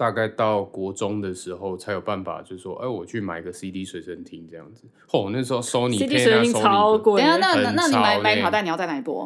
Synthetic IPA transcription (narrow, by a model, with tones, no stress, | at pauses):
t̪a˥˧ka˥˧ɪt̪ɑ˥˨˩ʊkwɔ˧˥ʈ͡ʂʊ˦ŋd̪ə˨ʂɻ̩˨˥xo˥˨ʊt͡sʰa˧˥ɪjo˨˩ʊpa˥˩nfa̰˨˩t͡ɕjo˥˧ʊʂ̩˥˩ʂwɔ̰˦ʔe˥ɪwɔ˨˩t͡ɕʰy˥˩ma˨˩ɪi˧˥ɡə˧si˦d̪i˥swe˧˥ɪʂə˦nt̪ʰi˦ŋʈ͡ʂɤ˥˧jɑ̰˥˩ŋd͡z̩˨˩ | xo˥˩˨na˥˩ʂ̬ɻ̩˧o˧so˦˥ʊni˨i˥t̪ijɛ˥e˨˩˥i˥ɑ˦kna˥ə˦˧˦na˥ni˦ma˦˩˥a˨˧˨t̪n˨jt͡sa˥˩na˩ɪ˨˩pwɔ̰˧˦